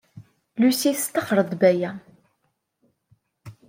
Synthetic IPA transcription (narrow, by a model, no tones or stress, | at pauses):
lusist̪ːəχɾˤəd̪ˤbæjæ